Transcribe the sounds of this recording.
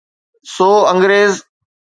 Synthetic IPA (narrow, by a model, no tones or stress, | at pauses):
soːə̃ŋɡɾeːz